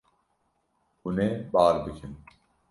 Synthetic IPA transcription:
uneːbaːɾb̪ɨkʰin

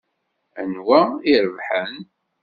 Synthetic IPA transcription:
ənwæiɾəvħən

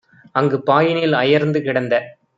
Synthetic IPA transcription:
ɐŋɡɯpaːjɪnɪlɐjɐɾnd̪ɯkɪɽɐnd̪ɐ

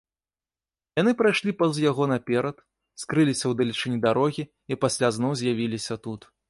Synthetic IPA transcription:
janɨpɾajʂlʲipɐzjaɣɔnɐpʲɛɾɐt̪ | skɾɨlʲisʲɐwd̪ɐlʲit͡ʂɨnʲid̪aɾɔɣʲi | ipasʲlʲaznɔwzʲjavʲilʲisʲɐt̪ut̪

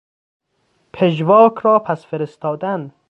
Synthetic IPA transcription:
pʰeʒvɒːkʰɾɒːpʰæsfeɾest̪ɒːd̪æn

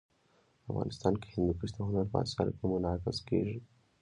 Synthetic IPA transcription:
afɣɑ̰ːnʔɪst̪ɑːnkehɪnd̪ukəʃt̪oɦʊnaɾba̰a̰sɑ̰ɾ̰kemʊnɑkɪzkeʒi

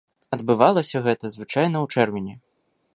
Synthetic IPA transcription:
ɐd̪bɨvalˠɐsʲɐɣɛt̪ɐzvɨt͡ʂajn̪ɐwt͡ʂɛrmʲinʲɛ

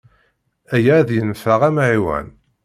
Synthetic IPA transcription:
æjaðjənfaʁæmʕiwæ̰n

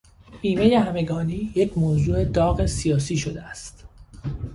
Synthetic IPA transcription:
iːmeje̞hæme̞ɡɒːniːjecʰmoːzuːe̞d̪ɒːɣe̞sijɒːs̬iːʃod̪eæst̪

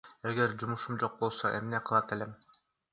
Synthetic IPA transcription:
eɡeɾd͡ʒumuʃumd͡ʒo̞q̚bolˠsoʔḛmneqʰɯlˠɑt̪elem

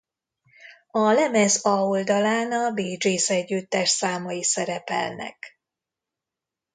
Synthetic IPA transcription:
ɒlɛmɛzɒold̪ɒlaːnɒbiːd͡ʒiːsɛɟːyt̪ːɛʃsaːmɒjisɛɾɛpɛ̰lnɛ̰k

